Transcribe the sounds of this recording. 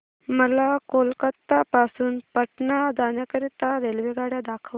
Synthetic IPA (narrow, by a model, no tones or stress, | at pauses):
məlakolkət̪ːapasuːnpəʈnad̪anjakəɾit̪aɾelʋeɡaɽjad̪akʰəʋ